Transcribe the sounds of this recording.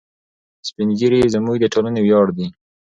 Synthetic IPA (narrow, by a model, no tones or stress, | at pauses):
spinɡiɾizəmuɡd̪əʈʰolanewjɑɽd̪i